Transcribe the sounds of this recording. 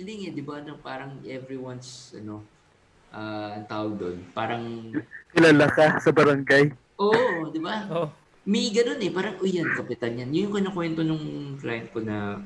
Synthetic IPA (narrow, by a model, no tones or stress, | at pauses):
ilɪŋɛd̪ɪbaʔɐno̞paːɾɐŋʔɛvɾiwɐnsʔɐ̰no̞ | ʔaːɐŋt̪aːwɐɡ̚d̪o̰npaːɾɐŋkɪlaːlɐkasɐbɐɾɐŋɡaj | ʔoʔd̪ɪba | mɐɡɐno̞nɛpaːɾɐŋʔojankɐpɪt̪ɐnjanjʊjʊŋkɪnɐkwɛnt̪o̞nʊŋklajɐnt̪̚konɐ